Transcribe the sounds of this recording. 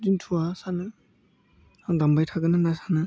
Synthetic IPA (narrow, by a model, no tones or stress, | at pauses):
dintʰuwasanɯ | dambajtʰaɡɯnɯnasanɯ